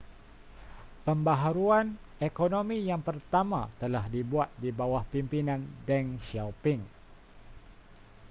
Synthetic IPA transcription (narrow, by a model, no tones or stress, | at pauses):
pəmbaɦaɾuan | ekonomijaŋpərt̪ama̰t̪əlahdibuat̪̚dibawahpimpinandɛŋʃawpɪŋ